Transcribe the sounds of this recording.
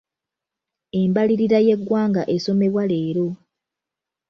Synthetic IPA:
e̞mbaliɾiɾaje̞ɡːwaːŋɡaʔeso̞me̞βwale̞ːɾo̞

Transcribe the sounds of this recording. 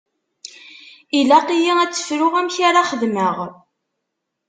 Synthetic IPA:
ilæqijiæt͡sːə̥fɾʊʁæmçaɾaχəðməʁ

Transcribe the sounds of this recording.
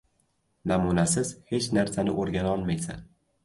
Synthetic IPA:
namunasɪz̥he̞t͡ʃnaɾsanɪ̰ʔoɾɡʲanɒlˠmajsa̰n

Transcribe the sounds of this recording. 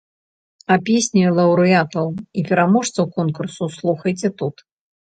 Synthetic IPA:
ɐpʲesʲnʲilˠɐwɾɨat̪ɐwipʲɛɾamɔʂt̪sɐwkɔnkursuslˠuxɐjt͡sʲɛt̪ut̪

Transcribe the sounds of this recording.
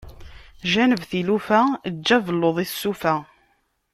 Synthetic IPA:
ʒænəvθilufæd͡ʒːævəlːoðˤiθsːufæ

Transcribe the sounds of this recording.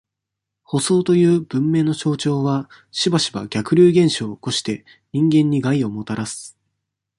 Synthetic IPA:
ho̞so̞ːt̪o̞jɯ̟ːb̥ɯ̟̃mːe̞ːnːo̞ɕo̞ːt͡ɕo̞ːβa | ɕibaɕiba̰ɡʲakɯ̟ɾʲɨːɡẽ̞ɰ̃ɕoːko̞ɕi̥t̪e̞ | ɲ̟ĩŋɡẽ̞ɲ̟ːiɡaio̞mo̞t̪aɾasɨ̥

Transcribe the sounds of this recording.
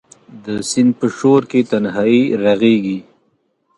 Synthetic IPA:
d̪əsɪnd̪̚pəʃoɾket̪anɦaiɾaɣeɡi

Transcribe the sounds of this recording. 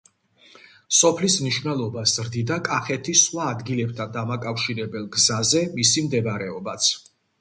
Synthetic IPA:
sɔpʰlismniʃwvnɛlˠɔbaszɾd̪id̪akʼaχɛt̪ʰisχwaːd̪ɡilɛb̚t̪ʰand̪amakʼafʃiɾɛbɛlˠɡzazɛmisimd̪ɛbɾɛɔbat̪sʰ

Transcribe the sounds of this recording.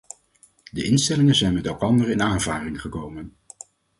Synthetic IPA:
dəʔɪnstɛlɪŋənzɛjnmɛtɛlˠkɑndərɪnaːnvaːrɪŋχəkowmən

